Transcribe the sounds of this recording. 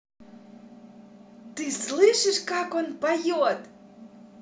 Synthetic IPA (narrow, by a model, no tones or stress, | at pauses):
t̪ɨslɨʃiʃkɑkonpajot̪